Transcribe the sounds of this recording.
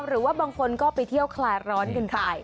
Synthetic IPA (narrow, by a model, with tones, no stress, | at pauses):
ɾɯː˩˦waː˥˩baː˧ŋkʰo˧nkɔː˥˩pa˧jt̪ʰi˥˩əwkʰlaː˧jɾɔː˦˥nkɯ˧nkʰaː˧˩j